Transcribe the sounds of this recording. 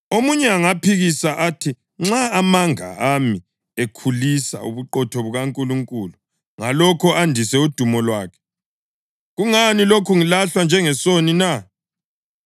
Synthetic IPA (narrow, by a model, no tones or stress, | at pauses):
omuɲɛaŋapʰiɣisaʔatʰi | ŋ͡ǁaːmaŋa̰ʔami | ekʰulisa̰ṵβuǃɔtʰɔβuɣaŋkʼuluŋkʼulu | ŋalɔkʰɔʔandʱisɛud̥ʱumɔlwaːkʰɛ̥ | ɣuŋanilokʰuŋilaɬwand͡ʒʱɛŋɛsonina